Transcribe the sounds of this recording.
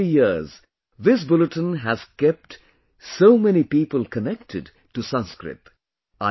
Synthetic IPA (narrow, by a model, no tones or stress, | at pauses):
ijiz | ðɪs̬bʊləʈə̃nɦæz̥kɛp̚ʈ | soʊmɛnipiːpəlˠkənɛk̚tʰɨd | tusʌ̃nskɾɪ̰t̪ | a